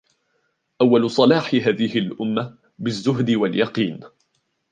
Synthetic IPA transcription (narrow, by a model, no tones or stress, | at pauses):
ʔawːalʊsˤɑlɑːħɪɦaːðɪhɪlʔʊmːa | bɪzːʊɦd̪ɪwaljɑqiːn